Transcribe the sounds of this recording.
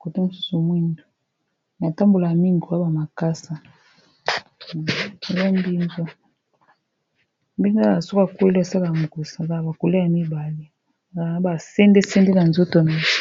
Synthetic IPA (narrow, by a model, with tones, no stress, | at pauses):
ko˨te˦mo˨su̥˦su˨mwi˦ndo˨ | na˨ta˦mbo˨la˨ja˨mi˦ŋɡo˨a˦ba˨ma˨ka˦sa˨ | e˨za˦mbi˦ŋɡo˦ | mbi˦ŋɡa˦a˨a˨so˦ka˨kwe˦li˦a˨sa˦la˨ja˨mo˨ko˨sa˨za˨ba˨ko˨le˦ja˨mi˦ba˨le˦˨ | a˨a˦ba˨se˦nde˦se˦nde˦na˨nzo˦to˨na˨˦